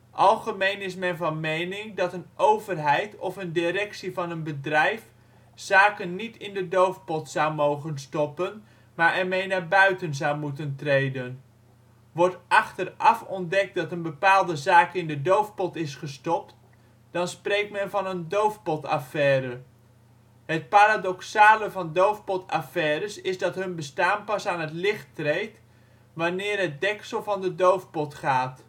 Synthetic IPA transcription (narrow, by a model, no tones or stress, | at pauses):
ʔɑlˠχəmejnɪsmɛnvɑnmejnɪŋdɑtənʔowvərɦɛjtɔfəndɪɾɛksivɑnənbədrɛjf | z̥aːkənːitɪndədowfpɔtsawmowχənstɔpən | maːɹʔɛɹmejnaːɹbœɥtənzɑwmutəntrejdən | ʋɔɹtʔɑχtərɑfɔndɛk̚tdɑtənbəpaːlˠdəzaːkɪndədowfpɔtɪsχəstɔp̚t | d̥ɑnsprejk̚tmɛnvɑnəndowfpɔta̰fɛːɾə | ɦət̚paːɾadɔksaːləvɑndowfpɔta̰fɛːɾəsɪzdɑtɦɵnbəstaːnpɑsaːnɦətlɪχtrejt | ʋanɪːrɦət̚dɛksəlˠvɑndədowfpɔtχaːt